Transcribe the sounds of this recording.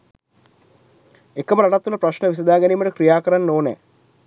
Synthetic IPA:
ekːəməɾaʈat̪ːunɐpɾaʃnəʋis̬ɐd̪aːɡæniːmːəʈəkɾijaːkəɾanːoːnɛ̰ː

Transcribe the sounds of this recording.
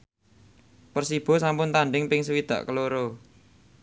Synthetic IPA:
pərsib̥ɔ̤sampʊnt̪aɳɖɪŋpɪŋsəwid̪̥ä̤ʔkəloɾo

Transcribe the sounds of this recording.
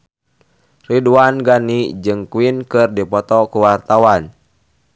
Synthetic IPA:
riduanɡanid͡ʒɨŋkuinkɨrdipɔt̪ɔkuwart̪awan

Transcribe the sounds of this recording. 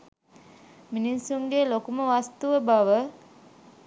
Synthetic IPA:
minisuŋɡelokuməʋast̪uʋəbaʋə

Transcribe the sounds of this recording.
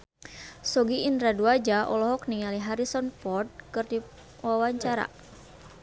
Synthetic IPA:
sɔɡiindɾaduad͡ʒaʔɔ̰lɔɦɔk̚niŋaliɦaɾisɔnfɔrd̪̚kɨrdi | wawaɲt͡ʃaɾa̰

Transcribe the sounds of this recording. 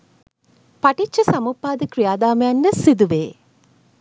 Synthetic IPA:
pɐʈit͡ʃʃːɐsɐmupːaːd̪əkɾijaːd̪aːməjɐnːəsid̪uʋeː

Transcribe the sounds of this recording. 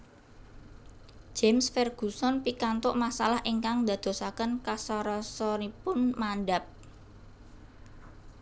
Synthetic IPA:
d͡ʒ̥emsfɛrɡ̥ṳsɔnpikant̪ʊʔmasalahʔiŋkaŋd̪a̤d̪̥o̤sakənkasaɾɔsɔɾipʊnmanɖap̚

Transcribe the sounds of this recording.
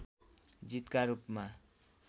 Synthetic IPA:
d͡zit̪kaɾupma

